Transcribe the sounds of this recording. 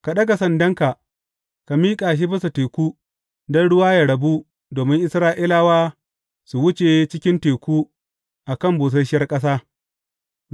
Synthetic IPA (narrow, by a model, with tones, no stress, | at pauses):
ka˨ɗɐ˦ɡa˨sɐ˨ndɐ˦ŋka˨ | ka˨miː˦kʼaː˨ʃ̬i˦bɪ˦sa˨teː˨kʷuː˦ | dɔ˦nɽʊ˦waː˦ja˨ɽɐ˨bu˦ | doː˨mɪ˦ŋʔɪ˦sɾaː˦ʔi˦laː˦waː˦ | su˨wʊ˦t͡ʃe˨t͡ʃɪ˦kʲɪ˦nteː˨kʷuː˦ | ʔa˨kɐ˦˨mbuː˨s̬ɐ˦ʃɪ˦jɐ˦rkʼɐ˦s̬aː˦